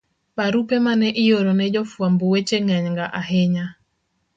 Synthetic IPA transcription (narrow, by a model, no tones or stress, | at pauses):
paɾupemanɛʔɪjoɾonɛd͡ʒɔfwambowet͡ʃeŋɛɲŋɡaʔaɦɛɲa